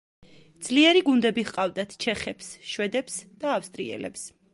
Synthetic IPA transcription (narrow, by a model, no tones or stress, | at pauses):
d̪z̥liɛɾiɡund̪ɛbiχqʼavd̪at̪ʰt͡ʃʰɛχɛpsʃwɛd̪ɛpsd̪̥aːfst̪ʼɾḭɛ̰lɛps